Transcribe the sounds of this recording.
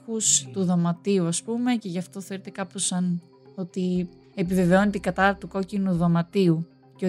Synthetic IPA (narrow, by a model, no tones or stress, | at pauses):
ust̪uðɐmɐt̪iuɐspume̞ce̞ʝɐft̪o̞θeoɾet̪ekɐposɐn | o̞t̪i | epive̞ve̞o̞net̪iɡɐt̪ɐt̪uko̞cinuðomɐt̪iu | ceo